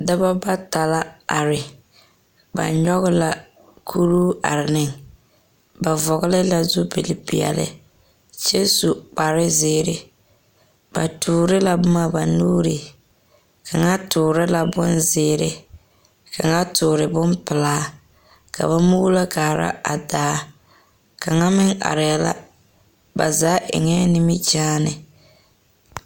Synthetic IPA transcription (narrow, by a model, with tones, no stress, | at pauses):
da˦ba˦ba˦ta˨la˦a˨ɾɪ˨ | ba̰˨ɲɲɔ˦ɣʊ˦la˨ | kʰu˦ɾuː˦a̰˨ɾɪ˨nɪ˦ŋ | ba˨vɔ˨ɣɪ˦lɪ˦la˨zʊ˦bɪ˨lɪ˨pḭ˨ɛ̰˨lɪ̰˦ | t͡ʃɛ˦su˨k͡pa˨ɾɪ˦zɪː˦ɾɪ˦ | b̥a̰˨tuː˨ɾɪ˦la˨bʊ˦ma˨ba˨nuː˦ɾɪ˨ | kʰa˨ŋa˦tʰʊː˨ɾɪ˦la˨bʊ˦nzɪː˨˦ɾɪ˦ | kʰa˨ŋa˦tʊː˨ɾɪ˨bʊ˦mpɪ˨laː˦ | kʰa̰˨ba˦mu˦la˦ɡaː˨ɾa̰˦a˨daː˨˦ | ka˨ŋa˦mɪ˦ŋa̰˨ɾɪ˨a˦la̰˦ | ba̰˨zaː˨˦ʔɪ̰˨ŋɛ˦nɪ˦mi˦t͡ʃaː˦nɪ˨